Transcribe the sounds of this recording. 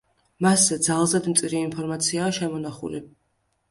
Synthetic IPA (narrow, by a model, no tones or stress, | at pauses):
maszɛd̪zalˠzad̪mt̪sʼiɾiːnpʰɔɾmat̪sʰiaːʃɛmɔnaχṵli